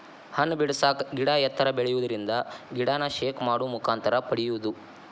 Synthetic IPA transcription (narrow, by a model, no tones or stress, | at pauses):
hɐnːbiɽsaːkɡiɽaːjɐt̪ʰːɐɾɐbeɭɛjuʋud̪ɐɾind̪ɐɡiɽaːnɐʃeːkmaːɽumukʰaːnt̪ʰɐɾɐpɐɽijuʋud̪u